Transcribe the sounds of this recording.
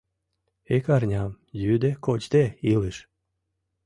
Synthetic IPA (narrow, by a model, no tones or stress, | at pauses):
ekɑrnʲɑm | jyd̪ekot͡ɕd̪eilɨʃ